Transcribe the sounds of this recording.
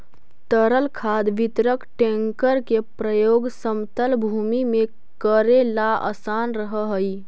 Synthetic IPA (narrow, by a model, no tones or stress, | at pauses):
t̪əɾəlkʰad̪ʋit̪ɾəkʈẽŋkəɾkepɾəjoɡsəmt̪əlbʱumime | kəɾelaʔə̰sanɾəɦəɦəj